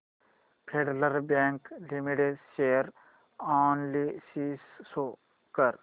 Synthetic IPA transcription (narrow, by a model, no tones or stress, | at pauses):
pʰeɖləɾbẽːŋklimiʈeɖʃeːɾ | ɔːnlisiːsːo | kəɾ